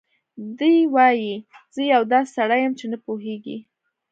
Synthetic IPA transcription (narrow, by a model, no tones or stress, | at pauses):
d̪ujwɑjiz̥əjawd̪ɑsaɽajəmt͡ʃenapoɦeɡḭ